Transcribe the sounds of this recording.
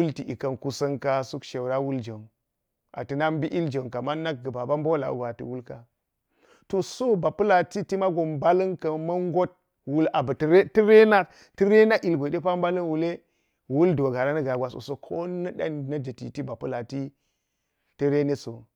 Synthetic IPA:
wu˦lti˨ʔi˨kɐ˨nku˦sɐ˦ŋka˦su˦kʃe˨wɾa˦wu˦ld͡ʒe˨m | ʔa̰˨ti˨na˦m˦bi˦ʔi˦ld͡ʒe˨nka˨ma˦na˦k̚ɡə˨ba˨ba˦m˦bo˦la̰˨ṵ˨ɡa˨tḭ˨wu˦lka˦ | to˨so˦ba˨pu˦la˨ti˦ti˦ma˦ɡo˨mba˦lə˦ŋkɐ˨mɐ˦ŋ˦ɡo˦t̚ | wu˦la˨bə˨tɾti˦ɾe˦na˦ | ti˦ɾe˦na˦ʔi˨lɡʷe˨de˦pa˦m˦ba˦lɐ˦nwu˨le˦ | wu˦ldo˨ɡa˨ɾa˦nɐ˦ɡa˨ɡʷa˨so̰˨so˦kʰo˦nɐ˦da̰˦n˨nɐ˦d͡ʒə˨tḭ˨ti˦ba˨pu˦la˨ti˦ | tə˦ɾe˦ne˦so˨

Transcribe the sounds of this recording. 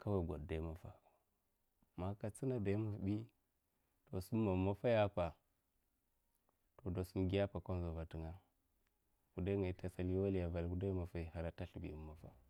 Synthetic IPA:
kʰa˦wa˨ɡʷa̰˨dda˨˦ma˨fa˨ | ma˨ka˨t͡si˦na˨da˨˦ma˨fbi˦ | to˨su˦mː˦a˨ma˦fa˦ja˦pa˨ | to˨do˨su˦mɡi˦a˦pa˨ko˦n˦za˨va˨ti˨ŋa˦ | ku˨da˦ŋa˨i˨˦ta˨sa˦lwa˦lja˨va˨lku˦da˦i˦ma˨fa˨i˨ha˨ɾa˨˦ta˦ɬi˨bḭ˨˦mːa˨fa̰˦

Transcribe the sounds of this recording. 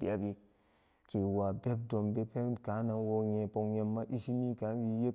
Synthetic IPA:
bḭ˨a˨˦bi˦ | ke˨wa˨be˦b̚do˨mbe˦pe˦ka˨˦na˨wo˦ɲe˨po˨ŋje˨mːa˦ʔi˦ʃi˦mi˦ka˨˦wi˦je˦

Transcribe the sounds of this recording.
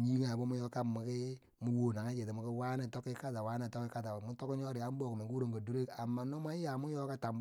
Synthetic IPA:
ɲi˦ŋa˨bo˦mu˦jɔ˦ka˦˨mu˨kɪ˦ | mu˦wo˨na˨ŋa˦d͡ʒe˨ti˨mu˨˦ki˦wa˦na˨tɔ˦kɪ˦ka˦ta˨wa˦na˨tɔ˦ki˦ka˦ta˨mu˦to˦ki˦ɲ˦ɔ˦ɾɪ˨ja˦bo˦˨kme˨ŋɡu˦ɾo˨ŋɡa˨du˦ɾe˦ka˨mːa˨no˦ma˦ja˨mu˦jɔ˦ka˦ta˨m

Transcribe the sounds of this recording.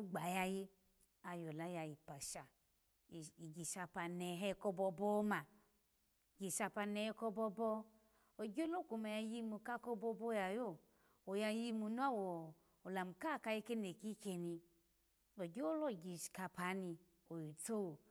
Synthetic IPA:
u˦ɡ͡ba˨ja˧ji˧ | a˧jo˨la˦ja˧ji˨pa˨ʃa˨ | i˨ɡi˨ʃa˧pa˧nɛ˨ɦɛ˧kɔ˧bɔ˧bɔ˦ma˨ | ɡi˨ʃa˧pa˧nɛ˨˧hɛ˧˦kɔ˧bɔ˧bɔ˧ | o˨ɡo˦lo˦˨ku˨ma˨ja˧ji˦˧mu˧ka˦kɔ˧bɔ˧bɔ˧˦ja˨jo˦˨ | o˨ja˧˦ji˧mu˧nu˦a˦wɔ˨ | o˨la˨m˨ka˦˨ka˧ji˧˦ke˦ne˨ki˦ke˧ni˧ | o˨ɡo˦lɔ˦˨ɡi˧ʃka˧pʰa˨˦ni˧ | o˨ji˨to˦wo˨

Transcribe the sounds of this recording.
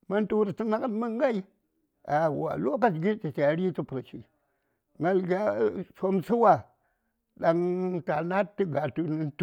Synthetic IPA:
ma˦ntu˦wɾi˨ti˦na˦ka˦tma˦ŋ˦ɡa˦i˦ | a˨wa̰˨lo˦ka˦t͡ʃɡi˦t͡ʃi˨t͡ʃa˨ɾi˦tu˦pɾa˨t͡ʃḭ˨ | ŋɡa˦lɡʲa˦so˦msu˦wa˨ | ɗa˨ŋta˨na˦tːɨ˦ɡa˨tu˦nɨ˦nt

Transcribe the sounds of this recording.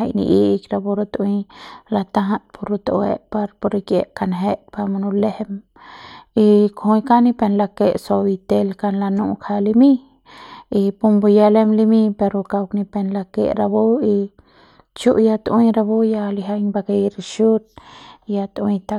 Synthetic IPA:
a˧jnḭ˧ʔi˦˧kɾa˧bo˧ɾo˧t̪wila˧t̪a˦ɦa˦t̪pʰo˧ɾo˧t̪o̰ʔwḛʔpa˧ɾpo˧ɾikjḛ˧ʔka˧nɦe˦ʔpa˧ma˧nu˧le˦hem | i˧kʰo˧jka˦ni˧pe˧nla˧ke˦˧ʔso˧bi˧t̪e˦lka˧nla˧nu˧kʰa˧li˧mi˦ | i˧pu˧mbu˧ja˧le˦mli˧mi˦pe˧ɾo˧ka˧wkni˧pe˧nla˧kḛ˧ʔɾa˧bo˦i˧ | t͡ʃu˦ʔja˧t̪wiɾa˧bo˦ja˧li˧ɦa˧jɲba˧ke˧ɾiʃu˦t̪̚ja˧t̪wĩ˧t̪a˧

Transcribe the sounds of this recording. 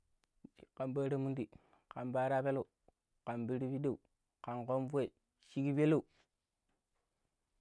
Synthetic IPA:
ka˨mba˦ɾa˦mu˦ndi˨ | ka˨mba˦ɾa˦pe˦lo˦˨u˨ | ka˨mbi˦ɾi˦bi˦da˦u˨ | ka˨nko˦mfe˦˨ | ʃi˦ki˦be˦lo˦u˨

